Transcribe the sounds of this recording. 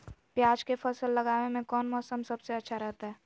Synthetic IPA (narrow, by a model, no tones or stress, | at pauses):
pjaːd͡ʒkepʰəsəlːɐɡaːnemẽkɔːnmɔːsəmsɐbseɐtːʃʰaɾɛɦt̪aɦɛː